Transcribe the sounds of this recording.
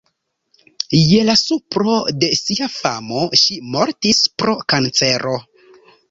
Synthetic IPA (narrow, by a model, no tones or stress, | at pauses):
je̞lasupɾo̞de̞siafamo̞ʃimo̞ɾtispɾo̞kant͡se̞ɾʔo̞